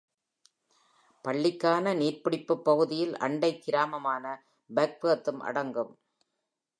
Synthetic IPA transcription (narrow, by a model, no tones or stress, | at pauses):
pɐɭːɪkːaːnɐniːrpɪɽɪpːɯpːɐɣɯðɪjɪlʔɐ̰ɳɖɐɪkːɪɾaːmɐmaːnɐ | bɛk̚pɯɐt̪ːɯmʔɐ̰ɽɐŋɡɯm